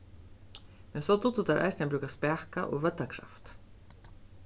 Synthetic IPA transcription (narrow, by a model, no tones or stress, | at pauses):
mɛnsɔt̪ut̪ut̪aɾʔa̰ɪjsnabɾʉːkaspæːkaʔɔ̰ɣʋœt̪ːakʰɾa̰ft̪